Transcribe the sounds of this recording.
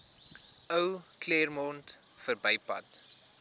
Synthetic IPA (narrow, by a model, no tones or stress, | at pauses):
əwklirmɔnt | fərbəjpɐ̰t